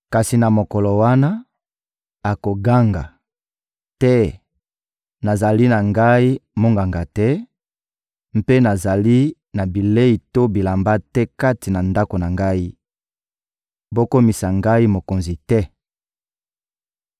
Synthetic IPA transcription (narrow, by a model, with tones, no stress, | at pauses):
ka˨si˨na˨mo˨kɔ˨lɔ˨wa˦na˦ | a˨ko˨ɡa˦ŋɡa̰˨ | tɛ˦ | na˨za˨li˦na˨ŋɡa˦i˦mo˦ŋɡa˨ŋɡa˨tɛ˦ | m̩˦pe˦na˨za˨li˦ | na˨bi˨le˦i˨to˦bi˨la˨mba˦tɛ˦ka˦ti˨na˨nda˦ko˨na˨ŋɡa˦i˦ | bo˦ko˦mi˨sa˨ŋɡa˦i˦mo˨ko˨nzi˨tɛ˦